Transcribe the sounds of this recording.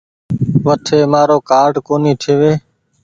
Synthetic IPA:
ʋəʈ̪ʰeːmaːɾoːkaːɾɖkoːniːt̪ʰeːʋeː

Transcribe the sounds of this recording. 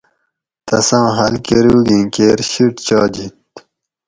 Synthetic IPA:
t̪ɐsãːɦɐlkeɾuːɡĩkeːɾɕiʈt͡ɕɑːd͡ʑit̪

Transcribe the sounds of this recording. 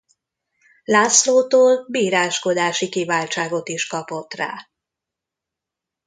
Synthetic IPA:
laːsloːt̪oːlbiːɾaːʃko̞d̪aːʃikivaːlt͡ʃaːɡo̞t̪iʃkɒpo̞t̪ra̰ː

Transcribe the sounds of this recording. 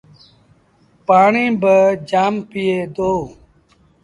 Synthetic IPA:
paːɳĩːbəd͡ʒaːmpijeːd̪oː

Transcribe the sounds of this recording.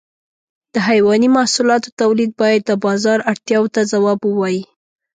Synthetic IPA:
d̪̥əɦajwɑnimahsulɑt̪ot̪awlid̪̚bɑjad̪ːəbɑzɑɾaɽt̪jɑwot̪azawɑbəwɑji

